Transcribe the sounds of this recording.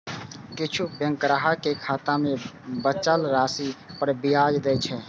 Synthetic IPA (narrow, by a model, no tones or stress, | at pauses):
kɪt͡ʃʰubjə̃ŋkɾaɦakekʰat̪amebət͡ʃəlɾasipəɾbijad͡ʒd̪ɛt͡ʃʰɛ